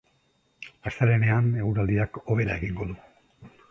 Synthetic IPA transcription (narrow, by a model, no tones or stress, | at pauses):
ast̪aɾe̞ne̞ane̞ɣuɾald̪iako̞β̞e̞ɾae̞ɣiŋɡo̞ðu